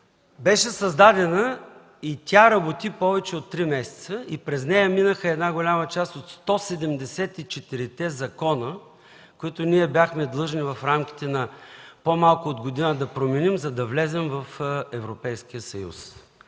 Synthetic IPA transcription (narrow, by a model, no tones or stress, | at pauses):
bɛʃɛsɐzd̪ad̪ɛnə | it̪ʲaɾɐbot̪ipɔvɛt͡ʃɛot̪ːɾimɛsɛ̥t̪səipɾɛznɛjəminəxəɛd̪naɡolʲamɐt͡ʃast̪ot̪st̪ɔsɛd̪ɛmd̪ɛsɛt̪it͡ʃɛt̪iɾit̪ɛzɐkɔnə | koit̪ʊnʲiɛbʲjaxmɛd̪lˠɤʒnivɐfɾamk̟ʲi̥t̪ɛnɐpomalˠkʊod̪ɡod̪inəd̪ɐpɾomɛnimzɐd̪ɐvlɛzɛmvɐfɛvɾopɛjskijəsɐjṵs